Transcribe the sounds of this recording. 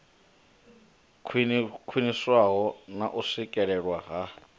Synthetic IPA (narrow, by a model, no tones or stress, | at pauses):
kʰwiniswaɦɔnaʔusikʼɛɺɛɺwaɣa